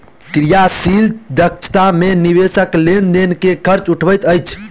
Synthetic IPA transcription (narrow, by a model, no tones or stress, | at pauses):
kɾijasild̪ək̚t͡ʃʰt̪ameniβesəklend̪enkekʰəɾt͡ʃuʈʰbəjt̪əjt͡ʃʰ